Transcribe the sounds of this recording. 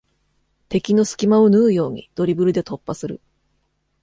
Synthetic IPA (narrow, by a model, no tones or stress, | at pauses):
t̪e̞kʲino̞sɨ̥kʲimao̞nɯːjo̞ːɲ̟ḭd̪̥o̞ɾʲibɯ̟ɾɯ̟d̪e̞t̪o̞pːasɨɾɯ̟̰